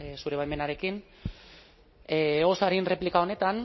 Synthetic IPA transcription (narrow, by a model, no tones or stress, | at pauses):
suɾe̞βajme̞naɾe̞kin | eosaɾinre̞plikao̞ne̞t̪an